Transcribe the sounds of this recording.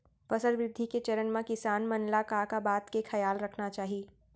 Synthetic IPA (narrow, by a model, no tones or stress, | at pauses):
fɐsəɾʋɾɪd̪ʱːiket͡ʃɐɾənmãkɪsaːnmɐnlakakabaːt̪kekʰɐjaːlɾɐkʰnat͡ʃaːɦieː